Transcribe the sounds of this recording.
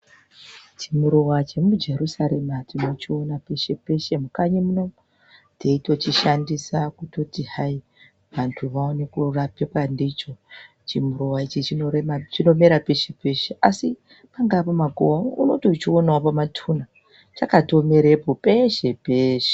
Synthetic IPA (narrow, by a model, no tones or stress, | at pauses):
t͡ʃimuɾowat͡ʃe̞mud͡ʒe̞ɾusaɾe̞matʰinot͡ʃio̞nape̞ʃe̞pe̞ʃe̞mukaɲemuno̞m | te̞ito̞t͡ʃiʃandisakuto̞tihai | ʋantʰuʋaonekurapekwandit͡ʃo̞ | t͡ʃimuɾowait͡ʃit͡ʃinoet͡ʃino̞meɾapeʃepe̞ʃe̞ʔasi | paŋɡapomaɡʱo̰wauno̞tot͡ʃionaopamatʰuna | t͡ʃakato̞me̞ɾepope̞ʃepeːʃe